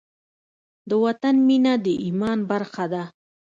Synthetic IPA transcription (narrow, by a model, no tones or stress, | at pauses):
d̪əwat̪anminad̪əʔimɑnbaɾxad̪a